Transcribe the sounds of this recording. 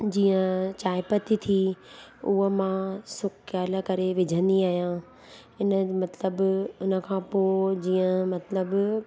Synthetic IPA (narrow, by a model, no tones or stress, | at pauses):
d͡ʑĩːə̃t͡ɕaːɪpət̪it̪ʰi | uɦə̆mãsʊkkaːlə̆kɐɾeʋɪd͡ʑʱə̃nd̪iaːɦijã | ɪnəmɐt̪ləbʊnə̆kʰãːpod͡ʑiːə̃mɐt̪ləb